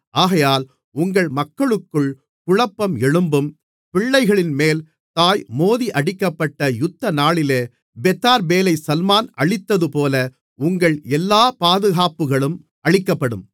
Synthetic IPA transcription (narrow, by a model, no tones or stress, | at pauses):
ʔaːɣɐjaːl | ʊŋɡɐɭmɐkːɐɭɯkːɯɭ | kʊɻɐpːɐmɛɻɯmbɯm | pɪɭːɐɪɣɐɭɪnmeːl | t̪aːjmoːðiʔɐɽɪkːɐpːɐʈːɐjʊt̪ːɐnaːɭɪleː | bɛt̪ːaːɾbeːlɐɪsɐlmaːnɐɭɪt̪ːɐðɯpoːlɐ | ʊŋɡɐɭɛlːaːpaːðɯɣaːpɯɣɐɭɯm | ɐɻɪkːɐpːɐɽɯ̰m